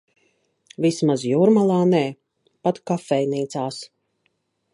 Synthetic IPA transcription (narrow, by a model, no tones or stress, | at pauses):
vismazjuːɾmalˠaːnɛː | pat̪kafɛjniːt̪saːs